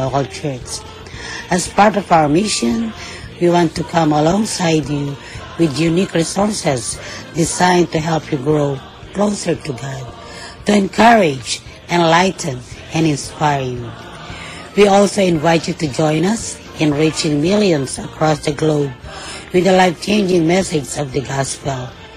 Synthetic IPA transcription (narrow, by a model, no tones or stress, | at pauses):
oʊkəlˠt͡ʃʰɜ˞t͡ʃ | ɨzpaɹtɔvaʊə˞mɪʃə̃n | wiwɑ̃ntukʰʌ̃məlɔ̃ŋsaɪdju | wɪðjunikɹisɔɹsɛzdɪzãɪ̃ntuɦɛlˠpʰjuɡɹoʊ | kloʊsə˞tuɡɑd̚ | tuɛ̃nkʰʌɹɪd͡ʒ | ɛ̃nlaɪtn̩ɛ̃nɪ̃nspaɪɹju | wiɔlˠsoʊɪ̃nvaɪtjutud͡ʒɔ̃ɪ̃nʌs | ɨ̃nɹit͡ʃɪ̃ŋmɪlˠjə̃nzəkʰɹɔsðɨɡloʊb̚wɨðəlaɪft͡ʃʰẽɪ̃nd͡ʒɪ̃ŋmɛsɪd͡ʒzʌvðɨɡɑspl̩ˠ